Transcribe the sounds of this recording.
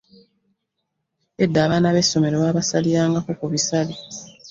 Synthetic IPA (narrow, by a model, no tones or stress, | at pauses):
edːaːβanaβe̞sːo̞me̞ɾowaːβasalijaːŋɡakokuβisale